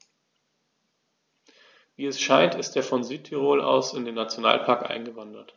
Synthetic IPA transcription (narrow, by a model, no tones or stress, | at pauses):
viːɛsʃaɪntɪstd̥eːɐfɔnzyːtʰiʁoːlʔa̰ʊsɪndeːnːat͡sjona̰ːlpʰaɐkʔa̰ɪnɡəvandɐt